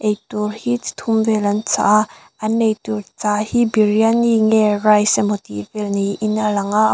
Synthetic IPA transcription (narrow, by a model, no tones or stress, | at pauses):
ʔejt̪urhit͡st̪ʰumvɛlɐnt͡sa̰ʔʔ | ʔɐnːejt̪urt͡saːhibirjaniŋɛrajsɛmot̪ḭvɛlniʔɪnalɐŋa